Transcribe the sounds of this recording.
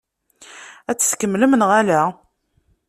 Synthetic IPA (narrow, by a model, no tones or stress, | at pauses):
æt͡sːə̥skəmːləmnʁælæ